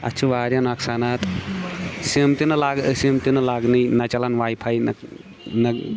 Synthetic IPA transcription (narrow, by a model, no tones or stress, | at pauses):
ɐ̰t͡ʃʰuʋaːɾjɐnaksanat̪ | simt̪inɐlaɡsimt̪inɐlaɡnɨjnɐt͡ʃɐlanwaːjpʰajnɐ | nɐ